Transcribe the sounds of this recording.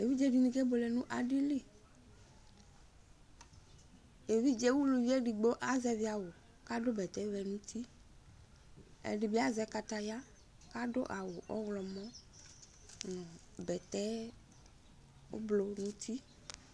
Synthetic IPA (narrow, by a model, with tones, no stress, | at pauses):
e˨vi˦d͡ʒɛ˦ɖi˨nĩ˦kɛ˦bo˨lɛ˨nũ˦ʔa˨ɖi˦le˦ | e˨vi˦d͡ʒɛ˦wu˦lu˨vi˦ɛ˦ɖi˨ɡ͡bo˦ʔa˦zɛ˦vi˨˦a˨wo˨ | ka˦do˦bɛ˨t̪ɛ˦vɛ˨nũ˦t̪ʰi˦ | ɛ̰˨ɖi˨bi˦a˦zɛ˦ka˨t̪a˨ja˦ | ka˦do˦ʔa˨wo˨ʔɔ̰˦wlɔ˨mɔ̃˦ | nɔ̃˨ | bɛ˨t̪ɛ˦ | o̰˦blo˨nũ˦t̪ʰi˦